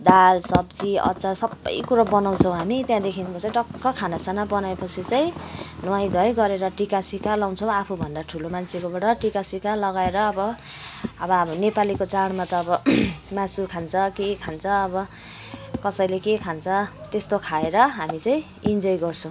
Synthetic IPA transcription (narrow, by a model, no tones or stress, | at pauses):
d̪alsʌbd͡ziʌ̰t͡sasʌbːʌ̰jkuɾabʌnaw̃t͡sʰʌ̃w̃ɦamit̪jãd̪ekʰinkot͡saĩʈʌkːʌkʰanasanabʌnaepʌt͡sʰit͡sajĩnʌwaj̃d̪ʱʌjɡʌɾeɾʌʈikasikalaw̃t͡sʰʌw̃apʰubʱʌnd̪aʈʰulomant͡sʰekobaɽʌʈikasikalʌɡaeɾʌːbʌ | ʌbʌbʌnepalikot͡saɽmat̪ʌːbʌmasukʰant͡sʰʌkekʰant͡sʰʌːbʌ | kʌsʌjlekekʰant͡sʰʌt̪est̪okʰaeɾʌɦamit͡saĩ | ind͡zojɡʌrt͡sʰʌ̃w̃